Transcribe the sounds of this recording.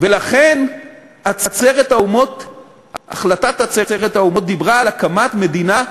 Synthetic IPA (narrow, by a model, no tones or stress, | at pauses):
velaχen | at͡sat͡seʁet̪aumot̪ | a̰χlatat̪hat͡set͡seʁet̪haumo̞t̪̚d̪ibʁaːlakamat̪me̞d̪ina